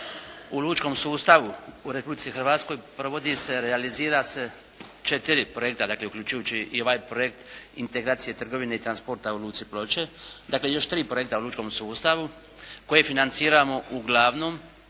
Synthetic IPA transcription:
uluːt͡ʃko̞msuːst̪aʋuuɾe̞publit̪sixrɾʋaːt̪sko̞jpɾo̞ʋo̞d̪ise̞ɾealiziːɾase̞ | t͡ʃe̞t̪iɾipɾo̞je̞k̚t̪ad̪aːkleukʎʲut͡ʃujuːt͡ɕiio̞ʋaːjpɾo̞je̞kt̪ḭnt̪e̞ɡɾaːt̪sije̞t̪r̩ɡo̞ʋineit̪ɾanspo̞ɾt̪auluːt̪siplˠo̞t͡ɕe̞d̪aklejo̞ʃt̪ɾiːpɾoje̞kt̪auluːt͡ʃko̞msuːst̪aʋu | ko̞jefinant̪siːɾamo̞ʔuɡlˠaːʋno̞ːm

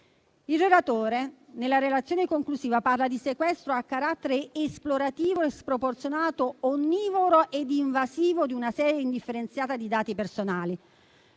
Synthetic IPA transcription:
ilrelat̪oːɾenelːaɾelat̪sjoːnekoŋkluziːvaparlad̪isekwɛst̪ɾoakːaɾat̪ːeɾeːsploɾat̪iːvoespɾoport̪sjonaːt̪oːnːiːvoɾoʔed̪iɱvaziːvod̪iunasɛːɾjeind̪ifːeɾent̪sjaːt̪ad̪id̪aːt̪ipersonaːli

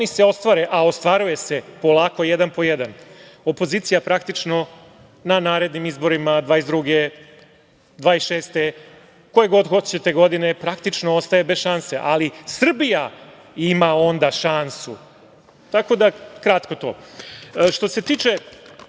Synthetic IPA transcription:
onise̞o̞st̪ʋaɾeʔao̞st̪ʋaɾuje̞se̞po̞lˠaːko̞jed̪anpo̞jed̪ano̞po̞ziːt̪sijapɾakt̪it͡ʃno̞ | nanaːɾe̞d̪nimizboɾimad̪ʋaːezd̪ɾuɡe̞ | d̪ʋaːisʃe̞ːst̪e̞ | ko̞jeɡo̞d̪xot͡ɕet̪eɡo̞d̪ine̞pɾakt̪it͡ʃnoost̪ajebe̞sʃanse̞ʔalisr̩bija | imao̞nd̪aʃansṵ | t̪ako̞d̪akɾat̪ko̞t̪o̞̰ː | ʃt̪o̞se̞t̪iːt͡ʃe

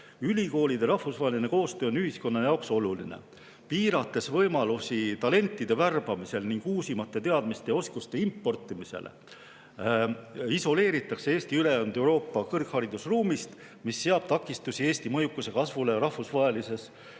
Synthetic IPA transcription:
ylʲiko̞ːlid̪̥e̞ɾɑhfusvɑːeline̞ko̞ːst̪øːonyɦisko̞nːɑjɑokso̞lulḭnḛ | piːɾɑt̪ːˑe̞svɤjmɑlusit̪ɑle̞nt̪ːˑid̪e̞værb̥ɑmise̞lniŋɡ̥uːsimɑt̪ːˑe̞t̪e̞ɑd̪̥mist̪e̞o̞skust̪e̞impːˑo̞rt̪ːˑimise̞̰lʔḛ | iso̞le̞ːɾit̪ːˑɑkseeːst̪iyle̞jɑnd̪e̞wɾo̞ːpːˑɑkɤrkhɑɾid̪̥usruːmist̪ | misːe̞ɑb̥̚t̪ɑkːˑist̪usie̞ːst̪imɤjukːuse̞kɑsvule̞ɾɑhfusvɑɦelise̞s

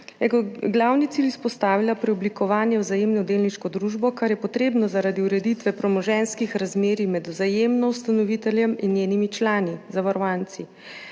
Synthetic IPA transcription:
jɛɡɔɡlawnit̪ilispɔst̪aːʋilapɾɛɔblikɔʋaːnjɛwzajeːmnɔd̪eːlniʃkɔd̪ɾuːʒbɔkaɾjɛpɔt̪ɾeːbnɔzaɾad̪iuɾɛd̪it̪ʋɛpɾɔmɔʒɛnskixɾazmeːɾimɛd̪wzajemnɔwst̪anɔʋit̪ɛljɛminjeːnimit͡ʃlaːnizaʋaɾɔʋaːnt̪si

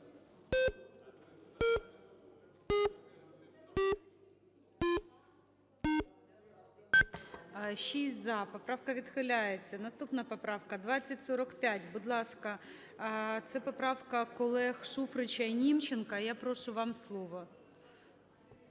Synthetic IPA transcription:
ʃisʲzɑpɔpɾɑwkɐʋʲid̪xɪlʲajet͡sʲːɐnɐst̪upnɐpɔpɾɑwkɐd̪ʋat͡sʲːɐtʲsɔɾɐkpʲatʲbʊd̪lˠɑskɐ | t̪sɛpɔpɾɑwkɐkɔlˠɛxʃufɾɪt͡ʃɐinʲimt͡ʃenkɐjapɾɔʃʊʋɑmslˠɔʋɔ

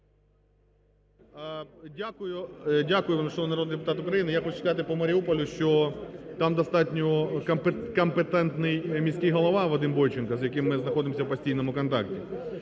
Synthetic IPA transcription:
dʲakʊjʊdʲakʊjʊʋamʲʃɔʋnɐɾod̪njd̪ʲpʊt̪ɑt̪ʊkɾɐjinɪjaxɔt͡ʃʊskɐzɑt̪ɪpɔmɐɾʲiupɔlʲʊʃt͡ʃɔt̪ɑmd̪ɐst̪ɑtʲnʲɔkɐpkɐmpet̪ɛnt̪nɪjmʲisʲkʲɪjɦɔlˠɐʋɑʋɐd̪ɪmbɔjt͡ʃɪnkɐzjɐkɪmːɪznɐxɔd̪ɪmɔsʲɐwpɐsʲtʲijnɔmʊkɔnt̪ɑk̚tʲi

